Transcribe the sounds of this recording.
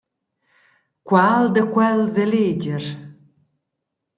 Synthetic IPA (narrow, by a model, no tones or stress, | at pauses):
kʷaːld̪ɐkʷʰalzɐleːd͡ʒɪr